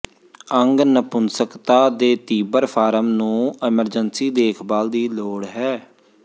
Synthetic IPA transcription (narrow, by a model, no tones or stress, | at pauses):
əŋɡnəpʊnsəkt̪aːd̪eːt̪iːbəɾpʰaːɾəmnũːɪməɾd͡ʒənsiːd̪eːkʰbaːld̪iːloːɽɦɛː